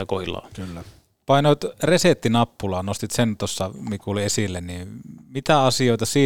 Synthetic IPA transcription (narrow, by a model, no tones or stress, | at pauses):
ɑkohilˑɑ̰ːkylːæ | pɑinoˑit̪reset̪ːinɑpːulɑːnost̪it̪sent̪osːɑmikuliesilːenniːmit̪æɑsioˑit̪ɑsiː